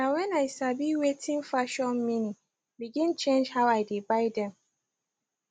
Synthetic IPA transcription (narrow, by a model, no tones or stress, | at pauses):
nawɛ̃naɪsabiwetʰĩnfaʃɔ̃nminĩ | biɡĩnt͡ʃẽnd͡ʒhaʊaɪdebaɪdɛ̃m